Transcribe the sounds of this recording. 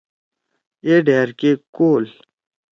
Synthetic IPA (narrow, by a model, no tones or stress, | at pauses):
eɖeːɾkekoːl